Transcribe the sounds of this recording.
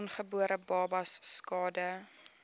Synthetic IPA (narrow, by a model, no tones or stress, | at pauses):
nχəbuəɾʔəbɑːbɐsːkɑːdə